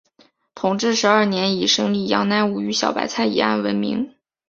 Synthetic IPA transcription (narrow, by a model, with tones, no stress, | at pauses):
t̪ʰʊ˨˩ŋʈ͡ʂɻ̩˥˩ʂɻ̩˧˥ɐ˞˥˩njɛ˧˥ni˨˩ʂɤ˥ŋli˥˩jɑ̰˧˥ŋna˧˥nu˧˥˩y˧˥ɕjɑ̰˨˩ʊpa̰˨˩ɪt͡sʰa˥˩ɪḭ˨˩a̰˥˩nwə˧˥nmḭ˧˥ŋ